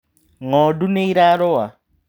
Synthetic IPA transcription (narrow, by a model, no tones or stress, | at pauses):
ŋɔduneiɾaɾɔwa